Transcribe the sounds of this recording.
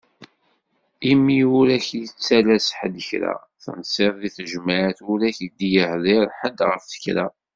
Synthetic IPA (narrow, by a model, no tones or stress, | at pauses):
imiuɾæçjit͡sːælæsħəd̪əçɾa̰ | θə̰nsɪððiθəʒmʕθulæçd̪jəhðˤɪɾħəd̪ʁəfθə̥kɾæ̰